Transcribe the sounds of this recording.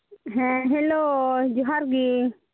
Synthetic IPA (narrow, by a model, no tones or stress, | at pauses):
ɦɛ̃ɦelod͡ʒuɦaɾɡi